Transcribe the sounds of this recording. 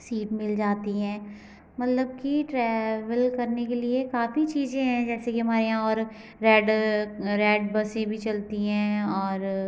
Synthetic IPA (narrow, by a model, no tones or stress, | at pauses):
siːʈmɪld͡ʒaːt̪iɦɛ̃ː | mɐt̪ləb̚kiʈɾɛːʋəlkɐɾnekeliekaːfit͡ʃiːzẽɦɛ̃d͡ʒɛːsekiɦɐmaːɾeɦãɔːɾ | ɾɛːɖɾɛːɖ̚bɐsẽbʱit͡ʃɐlt̪iɦɛ̃ːɔːɾ